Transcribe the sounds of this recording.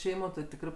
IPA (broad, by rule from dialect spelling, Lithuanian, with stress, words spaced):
ˈʃʲɛɪmoː tʲɪ ˈtʲɪkrɜ